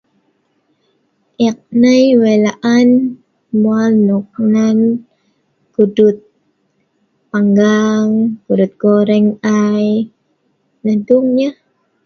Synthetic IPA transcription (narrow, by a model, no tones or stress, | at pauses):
ʔik̚najwɛlaʔan | mualnuk̚nan | ɡ̥udʊt̪̚ | paŋɡaŋkudʊt̪̚ɡ̥oɾɛŋaj | naduŋɲa